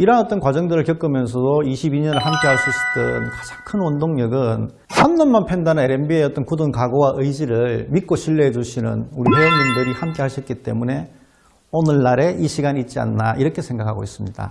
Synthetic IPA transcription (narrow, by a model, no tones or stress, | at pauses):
iɾʌanʌt͈ʌnkwad͡ʑʌŋdɯɾɯɭkjʌk͈ɯmjʌns̬ʰʌdoiɕʰibiɲʌnɯɭɦamk͈e̞ɦaɭs͈uit͈ɯnkḁd͡ʑḁŋkʰɯnwʌndoŋɲʌɡɯn | hamɲʌnmanpʰendanɯneɾembieʌt͈ʌnkudɯnkaɡowaʔɯjd͡ʑiɾɯɭmit̚k͈oɕʰiɭːeɦed͡ʑuɕʰinɯ̰nuɾiɦeʌŋmindɯɾihamk͈e̞ɦaɭɕʰʌt̚k͈it͈e̞̰mune̞ | onɯɭːaɾe̞ʔiɕʰiɡanit̚t͡ɕ͈ia̰nːaʔiɾʌkʰe̞sʰe̞ŋɡakʰa̰ɡo̰is͈ɯmɲida̰